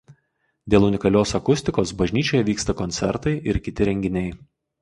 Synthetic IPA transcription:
d̪ʲeːlˠʊnʲɪkɐlʲoːsɐkʊsʲt̪ʲɪkoːsbɐʒʲnʲiːt͡ʃʲoːjɛʋʲiːkst̪ɐkɔnʲsʲɛɾt̪ɐɪʔɪɾkʲɪt̪ʲɪɾʲɛŋʲɡʲɪnʲɛɪ

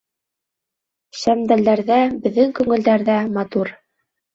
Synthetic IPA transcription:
ɕæmd̪æld̪æɾðæbɘ̆ðːɘŋkʉŋɘ̆ld̪æɾðæmɑt̪uɾ

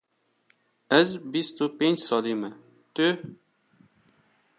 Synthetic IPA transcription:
ɛzbist̪ʰupent͡ʃsɑːlimɛ | t̪ø

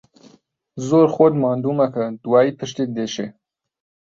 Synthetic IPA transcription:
zoɾxod̪mɑːnd̪umakəd̪uwɑːipəʃt̪id̪eʃe

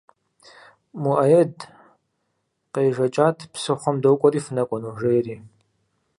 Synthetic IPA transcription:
muʔɐjɛd | qejʒɐt͡ʃʼaːtʰpsɨχʷɔmdɐwkʷʼɔɾiːfɨnɐkʷʼɔnuʒejriː

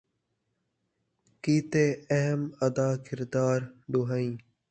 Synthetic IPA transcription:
kiːt̪eːəɦəməd̪aːkɪɾd̪aːɾɖoɦaĩː

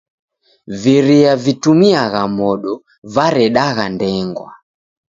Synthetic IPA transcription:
viɾiavitumiaɣamɔɗɔ | vaɾɛɗaɣandɛŋɡwa̰

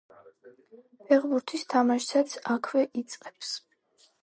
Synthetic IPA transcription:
pʰɛʁbuɾt̪ʰist̪ʰamaʃsat̪sʰakʰvɛʔit̪sʼqʼɛps

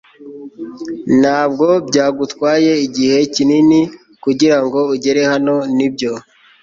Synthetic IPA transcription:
n̥haːbɡo̞bjɟaːɡutkwaːje̞iɟihe̞cinini | kuɟiɾaŋɡo̞uɟe̞ɾe̞hano̞nibɟo̞

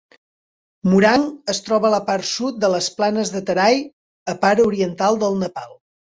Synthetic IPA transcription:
muɾaŋəst̪ɾɔβələpaɾt̪sut̪̚d̪ələsplanəzðət̪əɾaj | əpaɾuɾiənt̪alˠd̪əlˠnəpalˠ

